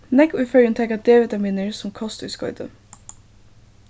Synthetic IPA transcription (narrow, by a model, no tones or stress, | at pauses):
nɛkʉːfœlənt̪ʰɛkɑd̪eːʋɪt̪ʰɑmiːnəɹsɔmkʰɔst̪ʉskɔ̰ʏd̪ə̰